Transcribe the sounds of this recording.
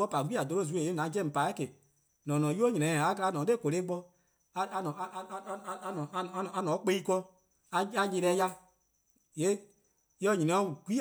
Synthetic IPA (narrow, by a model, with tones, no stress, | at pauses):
ɔ˦pa˨ɡ͡bi˦a˨do˧ɾo˦˨z̬u˨˦e˨e˦nã˨˦d͡ʒɛ̃˦˨pa˨˦ke˨ | nɔ̃˨nɔ̃˨˦ju˦o˦ɲĩ˨ɛ̃˨a˨˧˦ka˧la˧˦nɔ̃ː˨˦e˦˨ko˨le˦ɡ͡bɔ˧ | a˧a˧nɔ̃˨˦˧ɔ̃˨˧˨a˧˨a˧nɔ̃˨˦k͡pe˦i˦kɔ˧ | a˧˦a˧ɲe˨˧ɾɛː˨˦ja˧ | je˨˦ | jɔ˧˦ɲĩ˨ĩ˨ɔ̃˨˦˨ɡʷi˦